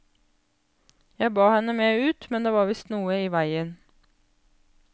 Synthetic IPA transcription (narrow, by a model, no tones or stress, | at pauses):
jæɪbɑːhɛnəmeːʉːt̪mɛnd̪eːʋɑːʋɪst̪nuːəiːʋæɪən